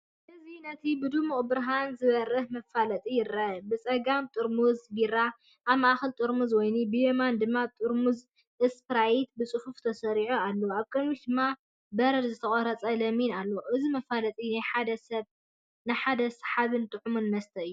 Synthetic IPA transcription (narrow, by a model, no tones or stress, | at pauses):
ʔɨzinɐt̪ʰibɨd̪umuʔʼbɾaɦanzɨβɐrːɨhmɐfalɐt̪ʼijɪɾabɨt͡sʼɐɡamt̪ʼɨɾmuzɡiɾa | ʔaβmaʔaxɨlt̪ʼɨɾmuzwɔjnibɨjemand̪ɨmːat̪ʼɨɾmuz | ɨspɾajit̪̚bɨt͡sʼɨhuft̪ʰɐsɐɾiʕualːoaβkʼɐmid̪ɨmːa | bɐɾd̪zɨt̪ʰɐkʼɐɾɐt͡sʼɐlɐminalːoʔɨzimɐfalɐt̪ʼinajħad̪ɐsɐβ | najħad̪ɐsħaβɨnt̪ʼɨʕumunmɐst̪ʰɐɨjːu